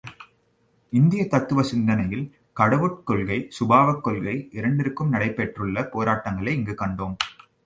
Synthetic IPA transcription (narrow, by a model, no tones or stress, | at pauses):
ɪnd̪ɪjɐt̪ɐt̪ːɯʋɐsɪnd̪ɐnɐjɪl | kɐɽɐʋɯʈ̚kɔɭɣɐɪsʊbaːʋɐkːɔɭɣɐɪʔɪɾɐɳɖɪɾɯkːɯmnɐɽɐɪpːɛʈrɯɭːɐpoːɾaːʈːɐŋɡɐɭɐɪɪŋɡɯkɐɳɖoːm